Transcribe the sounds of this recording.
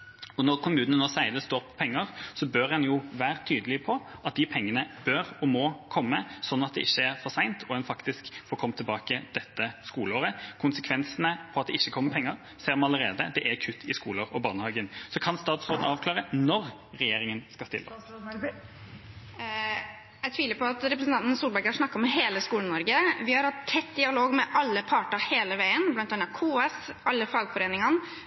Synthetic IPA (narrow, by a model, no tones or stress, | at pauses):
ɔnɔʁkʰʊmʉːnənoːsæɪləst̪oːpʰːɔ̥pʰɛŋːəʁsɔbøɾɛnjʊʋæːɾət̪ʰyːd̪əlɪpʰɔɑt̪̚d̪ɪpʰɛŋːənəb̥øʁɔmɔkʰɔmːəsɔnːɑt̪̚d̪ɛ̰ʔɪçːəæʁfɔɾsæɪnt̪ʰɔɛnfɑkt̪ɪskfɔɾkʰɔmt̪ʰɪlbɑːkəd̪̥ɛt̪ːəskuːləoːʁəkʰʊnsəkʰʋɛnsənəpʰɔɑt̪̚d̪ɛɪçːəkʰɔmːəɾpʰɛŋːəɾ | seːɾmɑnɑləɾeːd̪əd̪ɛʔækʰʉt̪ʰːɪskuːləɾɔbɑːnəhɑːɡənsɔkʰɑnst̪ɑːt̪sʁoːd̪nəɑːʋkʰlɑːʁənɔɾ | ʁɛjeːɾɪŋənskɑst̪ɪ̰lːə | æɪt̪ʰʋiːləpʰɔɑt̪ɾɛp̬ɾəsn̩ɑnnsuːlbæɾɡɑʂnɑkːəɾɔmɦeːləskuːlɳənɔɾɡəʋɪhɑɾhɑt̪ʰːɛt̪ːd̪ɪɑloːɡmɛʔɑlːəpʰɑːʈəheːləʋæɪənblɑnt̪ɛnɑkʰuːɛsʔɑlːəfɑlɡfɔɾeːnɪŋɑn